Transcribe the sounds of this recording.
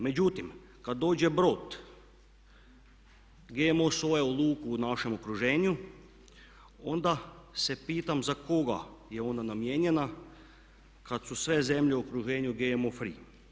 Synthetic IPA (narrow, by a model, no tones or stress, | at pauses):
me̞d͡ʑut̪im | kad̪̚ːo̞ːd͡ʑebɾo̞t̪ | ɡemosojeolˠuːkuːnaʃe̞mokɾuʒeːɲu | o̞nd̪ase̞piːt̪amzako̞ɡa̰jeo̞nanamjeːɲena | kad̪susʋe̞ze̞mʎeokɾuʒeːɲuɡemofɾḭː